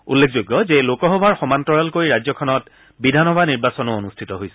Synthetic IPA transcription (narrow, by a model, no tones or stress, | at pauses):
ṵlːek̚ʰzojɡːɔzelokɔɦɔbʱaɹxɔmantɔɹalkoɹiɹazɔkʰɔnɔt | bidʱanɔbʱaniɹbasɔnɔonustʰitɔɦojsɛ̥